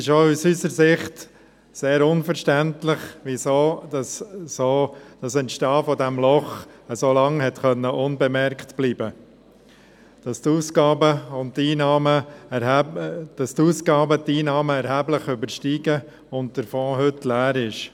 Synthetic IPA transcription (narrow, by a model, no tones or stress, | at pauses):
ɪʃousysəɾsɪχt | seːɾʊnfəɾʃtæntlɪχʋisoːdɑssoːd̥ɑsənʃtɑːfɔdæmlɔχəsoːlɑŋhɛtχœnːəʔʊnbɛmɛɾktb̥liːbə | d̥ɑst̪uːsɡɑːbəʊnttiːnɑːmə | d̥ɑstuːsɡɑːbət̪iːnɑːməɛɾhæːbləχʏbəɾʃtiːɡə | ʊnt̚d̥əɾfɔ̃ːɦʏtːlæːɾɪʃ